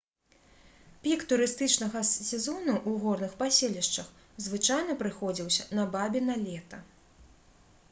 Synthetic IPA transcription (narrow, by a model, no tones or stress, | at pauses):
pʲikt̪uɾɨst̪ɨt͡ʂnɐɣɐsʲɛzɔnuʔuɣɔrnɨxpasʲelʲiʂt͡ʂɐx | zvɨt͡ʂajnɐpɾɨxɔd͡zʲiwsʲɐnɐbabʲinɐlʲɛt̪ɐ